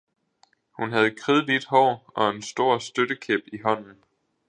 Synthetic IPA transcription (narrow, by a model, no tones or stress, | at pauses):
hunɦæð̞̩ˠkʰʁiːð̞̩ˠʋie̝d̥ɦɒ̰ːʔɒ̽e̝nsd̥o̝ɐ̰sd̥ød̥əkʰeb̥iɦɒ̽n̰n̩